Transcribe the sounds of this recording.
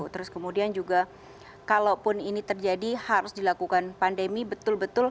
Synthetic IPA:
t̪əɾʊskəmudiand͡ʒuɡa | kalawpʊninit̪ərd͡ʒadihaɾʊsdilakukanpandemibət̪ʊlbət̪ʊl

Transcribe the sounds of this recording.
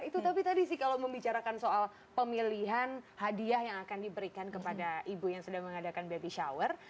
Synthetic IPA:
it̪ut̪apit̪adisɪhkalawməmbit͡ʃaɾakansoal | pəmiliɦanhadiahjaŋakandibəɾikankəpadaʔibujaŋsədaŋməŋadakanbabiʃawər

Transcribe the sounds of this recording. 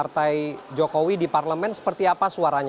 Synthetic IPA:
art̪ajd͡ʒokowidiparləmɛnsə̥pərt̪iapasuaɾaɲ

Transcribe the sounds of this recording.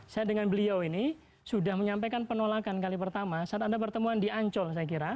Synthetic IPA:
sajadəŋanbəliawini | sudahməɲampekanpənolakankalipərt̪amasəat̪adapərt̪əmuandiʔaɲt͡ʃɔlsajak̬iɾa

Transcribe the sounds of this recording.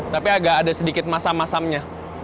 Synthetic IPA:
t̪apiaɡaʔːdasədikɪt̪̚masamːasamɲa

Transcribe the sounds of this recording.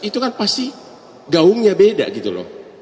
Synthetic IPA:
it̪ukanpast̪i | ɡauŋɲabeda̰ʔɡit̪ulɔ̰h

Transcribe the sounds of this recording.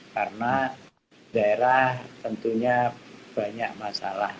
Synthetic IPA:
karəna | daeɾaht̪ənt̪uɲab̥aɲak̚masa̰lah

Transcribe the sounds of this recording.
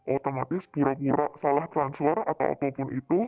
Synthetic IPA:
ʔot̪omat̪ɪsb̥i̤ɾakiɾaʔsalaht̪ɾansfɔra̰t̪a̰wa̰k̪okɪnit̪u

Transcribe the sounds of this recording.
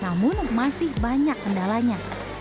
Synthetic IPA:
namʊnmasɪhbaɲakːəndalaɲa

